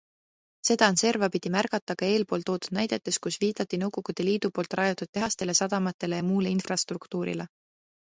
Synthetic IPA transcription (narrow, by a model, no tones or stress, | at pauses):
se̞d̪̥ɑɑnse̞rvɑpid̪̥imærɡɑt̪ːˑɑɡ̥ɑe̞ːlpo̞ːlt̪o̞ːd̪ud̪̥̚næjd̪e̞t̪ːˑe̞skusviːd̪̥ɑt̪ːinɤwɡ̥o̞ɡ̥ud̪̥e̞liːd̪̥upo̞ːlt̪ːˑrɑjot̪ːˑud̪̥̚t̪ːe̞ɦɑst̪e̞le̞sɑd̪̥ɑmɑt̪ːˑe̞le̞jɑmuːleinfrɑst̪rukt̪uːɾḭle